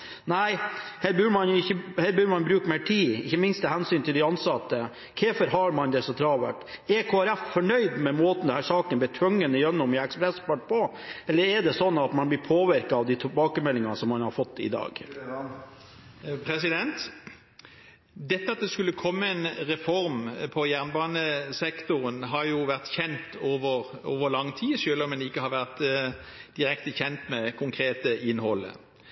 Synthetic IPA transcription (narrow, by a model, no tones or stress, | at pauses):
næɪhɛbʉːɖmɑnjʊɪçːəheːbʉːɾmɑnbɾʉːkmeːʈʰiːɪçːəmɪnst̪ʰːɛhɛnsyːnt̪ʰɪld̪ɪɑnsɑt̪ːə | kʰɛfəɾɦɑɾmɑnd̪ɛsɔt̪ʰɾɑːʋə̰ʈɛkʰoːæɾɛffɔɳœʏd̪mɛmoːt̪n̩d̪ɛnhæːʂɑːkənb̪ɪːt̪ʰʋʉŋːənəjœnːʊmɪɛkspɾɛspɑʈ̚pɔ | ɛlːəɾɛɖɛsɔnːɑt̪mɑnb̪ɪpʰoːʋɪɾkɑɑʋd̪ɪt̪ʰɪbɑːkəmɛlːɪŋɑsɔmːɑnhɑɾfɔt̪ːɪ̰d̪ɑ̰ːɡ | pʰɾɛsɪd̪ɛnt̪ | d̪ɛt̪ːəɑt̪̚d̪ɛskʉlːəkʰɔmːəɛnʁɛfɔɾmpʰɔjæʁnbɑːnəsɛkt̪ʊʁənɦɑɾjʊʋæʁt̪çɛnt̪oːʋəʁo̰ːʋəlɑŋːt̪ʰiːsøːlɔmːɛnɪkːəhɑɾʋæʁt̪ | d̪̥ɪɾɛkt̪əçɛnt̪mɛkʰʊŋkʰɾeːt̪əɪnhɔlːə̰